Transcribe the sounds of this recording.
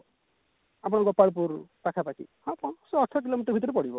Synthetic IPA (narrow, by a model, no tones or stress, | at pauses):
ap̬ɔɽ̃ɔ̃ŋɡɔpaɭp̬uɾpakʰapakʰḭhɔ̃pɔ̃sɔːʈʰɔk̬ilomiʈɔɾbʱit̪̬ɔɾepɔɽibɔ